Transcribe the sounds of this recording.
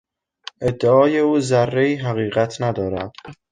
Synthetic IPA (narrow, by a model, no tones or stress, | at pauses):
ʔe̞d̪ːeɒːje̞uːzærːeiːɦæɣiːɣæt̪ʰnæd̪ɒːɾæ̰d̪̥